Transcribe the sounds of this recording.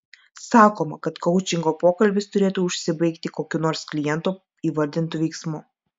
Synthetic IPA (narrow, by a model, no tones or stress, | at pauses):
sɑːkoːmɐkɐt̪kɐʊt͡ʃʲɪŋɡoːpoːkɐlʲbʲɪst̪ʊɾʲeːt̪uːʊʃʲsʲɪbɐɪkt̪ʲɪkoːkʲʊnoːɾsklʲɪjɛnt̪uː | iːʋɐɾʲd̪ʲɪnt̪uːʋʲɛɪksmʊ